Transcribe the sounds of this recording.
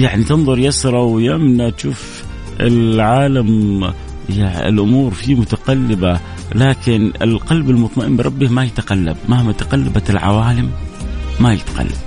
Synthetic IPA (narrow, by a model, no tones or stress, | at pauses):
jaʕnit̪ɪnðˤʊɾjasɾˤɑwjamnat̪ʃuːf | ɪ̰lʕaːlam | jaɪ̰lʔʊmuːɾfimʊt̪aqalːɪba | laːkɪnɪlqɑlbɪlmʊt̪ˤmɑʔɪmbɾˤɑbːɪmajɪt̪aqalːa̰b̚mahmat̪ḁqalːabalʕa̰waːlɪmː | ajɪt̪qa̰lːab